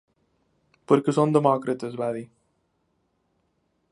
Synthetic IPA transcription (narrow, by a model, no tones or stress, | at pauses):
poɾkesõnd̪emɔkɾɐt̪ɐzβaði